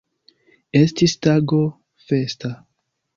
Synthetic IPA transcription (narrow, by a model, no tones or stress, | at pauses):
e̞stistaɡo̞ | fe̞sta